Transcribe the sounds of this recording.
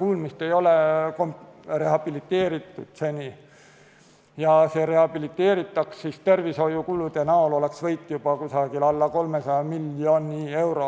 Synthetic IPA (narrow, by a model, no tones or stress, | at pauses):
kuːlmist̪e̞jo̞lekomre̞ɦɑb̥ilit̪ːˑe̞ːɾit̪ːˑud̪̥se̞nʲi | jɑseɾe̞hɑb̥ilit̪ːˑe̞ːɾit̪ːˑɑkssist̪e̞rviso̞jukulud̪̥e̞nɑolo̞le̞ksvɤjt̪ːˑjub̥ɑkusɑɡilɑlːɑko̞lmesɑjɑmilʲːo̞nie̞wɾo